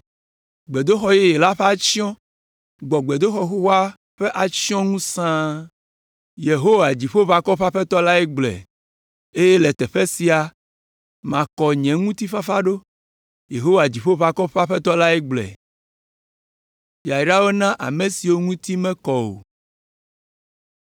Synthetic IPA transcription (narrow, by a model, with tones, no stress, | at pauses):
ɡ͡bɛ˨d̪o˦xɔ˨jɛ˦jɛ˨la˦ɸe˦a˦t͡ɕi˦ɔ̃˦ | ɡ͡bɔ˨ɡ͡bɛ˨d̪o˦xɔ˨xo˦wa˦ | ɸɛ˦ʔa˨t͡ɕi˦ɔ̃˦ŋũ˦sã˦ | je˨ɦo˦wa˨d͡ʑi˨ɸo˦βa˨kɔ˦ɸa˦ɸɛ˦t̪ɔ˦la˦ɛ˦ɡ͡blɛ̰˨ | e˦je˦lɛ˨t̪ɛ˨ɸɛ˦si˨a˨ | mã˨kɔ˨ɲɛ̃˨ŋũ˦t̪i˦ɸa˦fa˦ɖo˦ | je˨ɦo˦wa˨d͡ʑi˨ɸo˦βa˨kɔ˦ɸa˦ɸɛ˦t̪ɔ˦la˦ɛ˦ɡ͡blɛ̰˨ | ja˨ɖa˦wo˦nã˦ʔa̰˨me˨si˨wo˦ŋũ˦t̪i˦mɛ̃˦kɔ˨wo̰˨